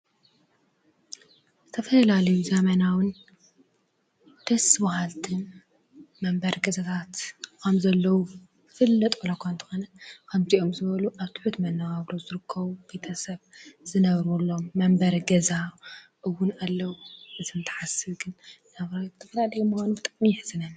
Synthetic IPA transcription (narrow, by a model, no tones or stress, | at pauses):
zɨt̪ʰɐfɐlalɐjuzɐmɐnawɨn | t̪ʰɐsɨβahalt̪ʰɨn | mɐmbɐɾɡɐzat̪ʰat̪kʰɐmzɐlːɐwu | fɨlːɐt̪ʼwʰɐlɐkʷʰant̪ʰɨ̥xonɐkʰɐmt̪ʰiʔo̞mzɨβɐluʔaβt̪ʰɨ̥ħut̪mɐnːɐɡaβɾozɨɾɨkʰːɐβub̥e̞t̪ʰɐsɐβzɨnɐβɾulːomːɐmbɐɾɡɐzaʔɨwːʊnalːɐwuʔɨzɨnt̪ʰɐ̥ħasɨβɡɨnnaβɾawzɨt̪ʰɐfɐlalɐjumuxʷanubɨt̪ʼɐmiħzɨnɐβ